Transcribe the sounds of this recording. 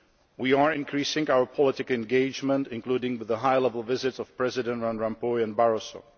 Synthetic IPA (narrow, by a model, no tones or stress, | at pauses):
wiəɹɪ̃nkʰɹ̥isɪ̃ŋaʊə˞pʰɔlˠɪtɪkɨ̃nɡeɪd͡ʒmə̃ntɪ̃nkʰl̥udɪ̃ŋwɪðəɦaɪlɛvl̩ˠvɪzɪtsʌv̥pʰɹ̥ɛzɪdə̃ntɹãnɹãmpɔɪɨ̃nbaɹoso